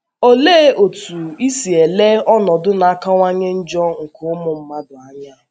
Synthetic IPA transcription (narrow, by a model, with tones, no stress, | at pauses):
o˦le˦o˨tu˨i˦si˨e˨le˦ɔ˦nɔ˨dʊ˦na˨a˦ka˦ŋʷa˦ɲe˦n̩˦d͡ʒɔ˦ŋ̩˨ko˨ʊ˦mʊ˨m̩˦ma˦dʊ˨a˦ɲa˦˨